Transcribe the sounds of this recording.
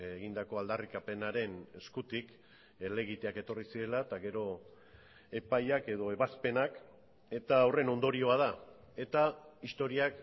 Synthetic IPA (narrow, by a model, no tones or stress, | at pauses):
eɣind̪ako̞ald̪arikape̞naɾe̞ne̞skut̪ik | le̞ɣit̪e̞ake̞t̪o̞risiɾe̞lat̪aɣe̞ɾo̞ | e̞pajake̞ð̞o̞e̞βaspe̞nak | e̞t̪aːwre̞no̞nd̪o̞ɾio̞að̞a | e̞t̪aist̪o̞ɾiak